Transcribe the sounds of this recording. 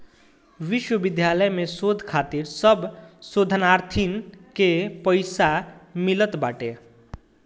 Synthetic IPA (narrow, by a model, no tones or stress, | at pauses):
ʋɪʃwəʋɪd̪ʱjaləjmẽsoːd̪ʱkʰaːt̪iɾsəbsod̪ʱənaːɾt̪ʰinkepəɪsamilət̪baːʈḛ